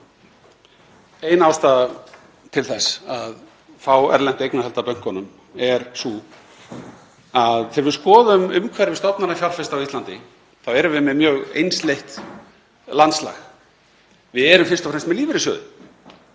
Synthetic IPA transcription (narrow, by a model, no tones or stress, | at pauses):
eːjnaːwst̪aːð | t̪ʰɪlθɛsað | fawɛ̰ɾlɛn̥t̪ejknahɛlt̪apœŋ̥kɔnʏm | ɛɾsu | aðθɛɾvɪskɔːðʏmʏmkʰvɛɾɪvɪst̪ɔwpnaɾnafjawlfɛst̪awist̪lant̪ɪ | θawɛɾʏvɪmɛmjœːɣḛjnslejht̪ | lant̪sla̰ɣ | vɪðɛɾʏmfɪr̥t̪ɔfɾɛmst̪mɛðliːvɪɾɪsœ̰ːðʏ